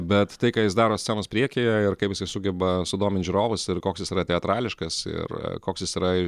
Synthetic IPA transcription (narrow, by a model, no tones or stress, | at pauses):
bʲɛt̪t̪ɐɪkɑːjɪsd̪ɑːɾoːsʲt͡sʲæːnoːspʲɾʲiɛkʲeːjɛɪrkɐɪpjɪsɐɪsʊɡʲɛbɐsʊd̪oːmʲɪnʒʲʊɾoːʋʊsɪrkoːksjɪsiːɾɐt̪ʲɛɐt̪ɾɑːlʲɪʃkɐsɪ̰rkoːksʲjɪsiɾɐ